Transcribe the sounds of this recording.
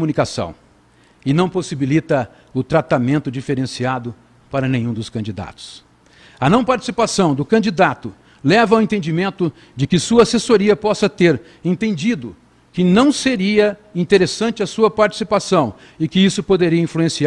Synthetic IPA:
komunikasɐ̰̃w̃ | ɪnɐ̃w̃posibilit̪ɐ | ʊt̪ɾat̪amẽnt̪ʊd͡ʒifeɾẽsiad̪ʊ | paɾɐnẽjɲ̃ũd̪ʊskɐ̃nd͡ʒid̪a̰t̪ʊ̥s | ɐnɐ̃w̃paɾt͡ʃi̥sipasɐ̃w̃d̪ʊkɐ̃d͡ʒid̪at̪ʊ | lɛvɐawẽnt̪ẽnd͡ʒimẽnt̪ʊ | d͡ʒɪkɪsuɐasesoɾiɐpɔsɐt̪eɾ | ẽt̪ẽnd͡ʒid̪ʊ | kɪnɐ̃w̃seɾiɐĩnt̪eɾesɐ̃nt͡ʃɪɐsuɐpaɾt͡ʃi̥sipasɐ̃w̃ | ɪkɪisʊpod̪eɾiɐĩfluẽsia

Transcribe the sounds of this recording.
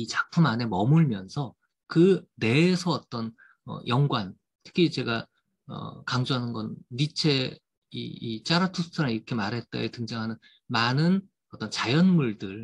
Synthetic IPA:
it͡ɕak̚pʰumane̞mʌmuɭmjʌnsʰʌ | kɯne̞ːsʰʌːt͈ʌn | ʌ̰jʌŋɡwan | tʰɯ̥kʰit͡ɕe̞ɡa | ʌ̰kaŋd͡ʑoɦanɯnɡʌnːit͡ɕʰe̞ | ḭit͡ɕ͈aɾatʰusʰɯ̥tʰɯɾaŋiɾʌkʰe̞maɾɦe̞t̚t͈a̰etɯŋd͡ʑaŋɦanɯn | manɯn | ʌt͈ʌnt͡ɕajʌnmuɭdɯɭ

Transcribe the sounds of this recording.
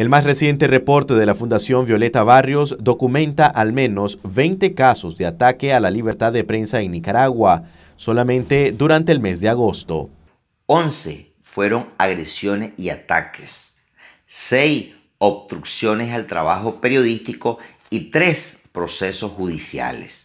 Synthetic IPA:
e̞lmasre̞sje̞nt̪e̞repo̞ɾt̪e̞ðe̞lafund̪asjo̞mbjo̞le̞t̪aβarjosd̪o̞kumẽ̞nt̪aʔalmẽ̞no̞sβe̞jnt̪e̞kaso̞zd̪eat̪ake̞alaliβ̞eɾt̪aðːepɾe̞nsaeŋnikaɾaɣwa | so̞lamẽ̞nt̪e̞d̪uɾant̪eːlme̞zd̪e̞aɣo̞st̪o̞̰ | o̞nse̞̰ | fwe̞ɾo̞ŋaɣɾesjo̞nesiat̪a̰kʰe̥sː | ejs | obst̪ɾuksjo̞nesalt̪ɾa̰βaxo̞pe̞ɾjo̞ðist̪iko | it̪ɾespɾo̞se̞so̞sxuðisja̰les

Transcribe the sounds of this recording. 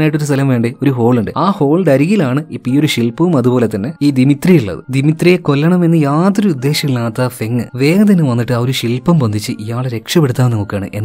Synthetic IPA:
naːjʈːoɾust̪ɐlɐmʋe̞ːɳɖio̞ɾuɦo̞ːɭuɳɖɨaːho̞ːɭɖɐɾiɣilaːɳɨipːio̞ɾuɕilpɐʋumɐðubo̞ːle̞t̪ːɐnːe̞iːd̪imit̪rijuɭːɐ̰ðɨ̰d̪imit̪rijeko̞lːɐɳɐme̞nːɨjaːt̪oɾuud̪ːe̞ːɕjɐkːilnaːt̪ːafe̞ŋːɨʋe̞ːɡɐt̪̬ɐnːɨʋɐnːiʈːɨɐoɾuɕilpɐmbond̪ʱit͡ɕːɨʔijaːɭeɾe̞kʂɐpeɽut̪ːaːmnimokːjaːɳɨ̰ʔe̞nː

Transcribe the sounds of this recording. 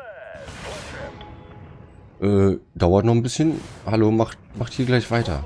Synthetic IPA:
ʔɛːd̥aʊɐtnɔχnbɪsçənhaloːmaχtmaχthiːɐɡlaɪçv̥aɪtɐ̰

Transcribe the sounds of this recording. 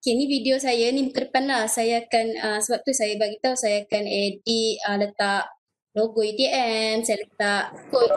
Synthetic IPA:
kenifidiosajaniməkərpanlasajaːkanəsəbap̚t̪usajabaɡit̪ausajaːkanediələt̪aʔ | loɡoit̪iʔɛmsajalət̪aʔko

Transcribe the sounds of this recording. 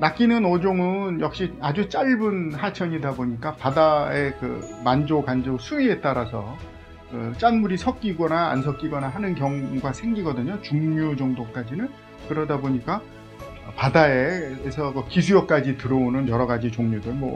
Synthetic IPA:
nak͈inɯnʌd͡ʑoŋɯnjʌk̚ɕ͈iad͡ʑut͡ɕ͈aɭbɯnhat͡ɕʰʌɲidaboɲik͈apadae̞kɯ̰mand͡ʑokand͡ʑosʰuie̞t͈aɾasʰʌ | kɯt͡ɕ͈anmuɾisʰʌk͈̚iɡʌna̰ːnsʰʌk͈iɡʌnaɦanɯnkjʌŋɡwasʰeŋɡiɡʌdɯɲot͡ɕuŋɲud͡ʑʌŋdok͈ad͡ʑinɯn | kɯɾʌdaboɲik͈a | padaeesʰʌkɯkis̬ʰujʌk̚k͈ad͡ʑitɯɾʌonɯnjʌɾʌɡad͡ʑit͡ɕoŋɲudɯnmʌ̰

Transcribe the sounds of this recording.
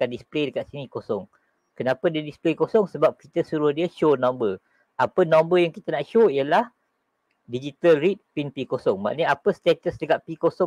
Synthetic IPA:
andispledəkaʔ̪̚sinikosɔŋ | kənãpədiədisplekosɔŋsəbap̚kit̪əsuɾʊhdiəʃonãmbər | apənɔ̃mbəjaŋkit̪ənaʔʃoiəlah | did͡ʒit̪əlrit̪̚pinpikosɔŋma̰ʔniapəst̪et̪əsdəkaʔ̪̚pikosɔ

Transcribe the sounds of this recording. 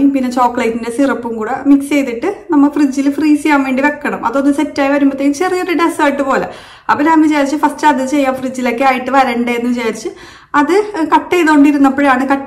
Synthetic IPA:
umpinːe̞t͡ɕoːkːlɐjtːindesirɐpːumkuːɽemikst͡ɕe̞jt̪ːiʈːɨnɐmːɐɭfrid͡ʑːilfriːsijaːmʋe̞ːɳɖiʋe̞kːɐɳɐmɐ̰ðo̞nːɨsetːaːjiʋɐɾumːbɐt̪ːejilt͡ɕerijoɾuʈesaːjiʈːɨpo̞ːlḛ | ɐ̰pːoːɾaːmʋit͡ɕaːɾit͡ɕːɨfɐstɐðit͡ɕe̞jːaːmfrid͡ʑːilo̞kːeaːjiʈːɨʋɐɾɐɳɖeenːɨʋit͡ɕaːɾit͡ɕːɨ | ɐðɨkɐʈːejðoːɳɖiɾunːɐpːoɻejaːɳɨkɐʈː

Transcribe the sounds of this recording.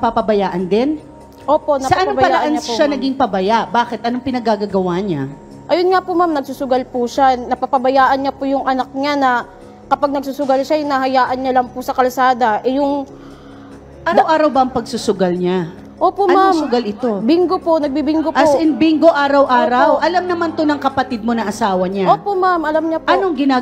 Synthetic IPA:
ɐpapɐbɐjaːʔɐnd̪ɛn | ʔoːpo̞ʔnɐsɐʔaʔɐnpobɐjpɐalaʔanɲaʃoanɐɡiŋpɐbɐjaʔbaːkɛt̪̚ʔɐnoŋpɪnɐɡaɡaɡɐwaɲa | ʔɐjonŋapʊmamnɐɡ̚sʊsʊɡɐlpuʃanɐpɐpɐbɐjaːʔɐnɲapʊjʊŋʔɐnak̚ɲanɐ | kɐpaɡ̚nɐɡ̚susʊɡɐlʃajʊnɐɦɐjaːʔɐnɲɐlɐŋpʊsɐkɐlsaːd̪ɐʔɛjʊŋ | aːdɾawʔaːɾɐwbɐɐŋpɐɡsʊsʊɡalɲa | ʔoːpomasʊɡalɪt̪obiŋɡopo̞ʔnɐɡ̚bibiŋɡoʔɐsɪnbiŋɡoʔaːɾɐwʔaːɾɐwʔɐlamnɐmant̪onɐŋkɐpɐt̪ɪd̪̚mo̞nɐŋʔɐsaːwɐɲaʔoːpomamʔɐlamɲɐpɐnoŋɡɪnaː

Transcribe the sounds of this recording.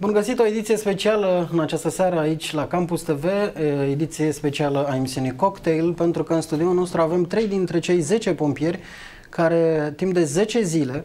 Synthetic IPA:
bunɡəsit̪o̞e̞d̪it̪sije̞spe̞t͡ʃialəɨnat͡ʃast̪əseaɾəait͡ʃʲlakampust̪e̞ve̞ed̪it̪sije̞spe̞t͡ʃialəae̞misiunejko̞kt̪ejlpe̞nt̪ɾukəɨnst̪ud̪ioulno̞st̪ɾuave̞mt̪ɾe̞jd̪int̪ɾe̞t͡ʃe̞jze̞t͡ʃe̞po̞mpije̞rʲ | kaɾe̞t̪impd̪e̞ze̞t͡ʃe̞zile̞

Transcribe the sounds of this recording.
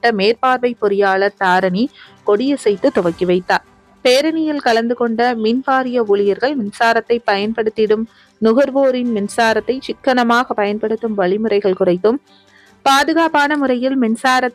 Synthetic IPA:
ʈːɐmeːɾpaːɾʋɐɪpːɔɾɪjaːɭɐɾt̪aːɾɐnikɔɽɪjɐsɛjt̪ːɯt̪ːʊʋɐkːɪʋɐɪt̪ːaːɾ | peːɾɐnɪjɪlkɐlɐnd̪ɯkɔɳɖɐminpaːɾɪjɐuːɭɪjɐɾɣɐɭmɪnsaːɾɐt̪ːɐɪpːɐjɐnpɐɽɯt̪ːɪɽɯm | nʊɣɐɾʋoːɾɪnmɪnsaːɾɐt̪ːɐɪt͡ʃɪkːɐɳɐmaːɣɐpɐjɐnpɐɽɯt̪ːɯmʋɐɭɪmɯrɐɪɣɐɭkʊrɐɪt̪ːɯm | paːðɯɣaːpaːnɐmʊɾɐjɪlmɪnsaːɾɐ

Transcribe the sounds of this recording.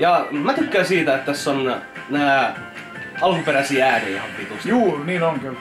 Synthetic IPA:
jɑmæt̪ykːæːsiːt̪æet̪t̪æsːon | næː | ɑlukumpeɾæsiːæːdehɑpːiːt̪usjuːniːnoŋkyl

